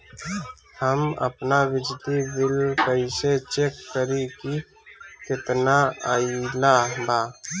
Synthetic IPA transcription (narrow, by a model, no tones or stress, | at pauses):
həmə̰pnaʋɪd͡ʒd̪ibɪlkəiset͡ʃekːəɾiki | kɪt̪naailabaː